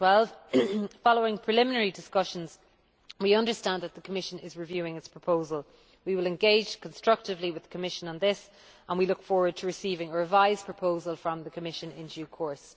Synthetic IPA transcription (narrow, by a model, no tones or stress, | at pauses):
wɛlˠv̥fɑloʊɪ̃ŋpʰɹ̥ɪlɪ̃mɪnəɹidɪskʌʃə̃nz̥ | wiʌ̃ndə˞stãnðət̪̚ðəkʰəmɪʃə̃nɪzɹɪvjʉːɪ̃ŋɪtspʰɹ̥əpʰoʊzəlˠ | wiwɪlɛ̃nɡeɪ̥ʒ̥kʰə̃nstɹ̥ʌk̚tɪvliwɪðəkʰəmɪʃə̃nə̃nðɪs | ʔə̃nwilʊkfɔːɹwə˞d̚tʰəɹɪsiːvɪ̃ŋəɹəvaɪz̥pʰɹ̥əpʰoʊzəlˠfɹə̃mðəkʰəmɪʃə̃nɪ̰̃nd͡ʒʉːkʰɔɹs